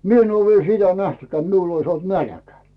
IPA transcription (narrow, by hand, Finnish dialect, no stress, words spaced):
mi en oː ʋiel sitæ næhtẙkĕæː t miul ois nælæ̆kæ